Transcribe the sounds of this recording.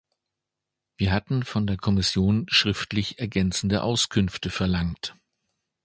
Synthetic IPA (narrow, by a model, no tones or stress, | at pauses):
v̥iːɐɦatn̩fɔndeːɐkʰɔmɪsjoːnʃʁ̥ɪftlɪçɛɐɡɛnt͡sn̩dəʔaʊskʰʏnftəfɛɐlaŋt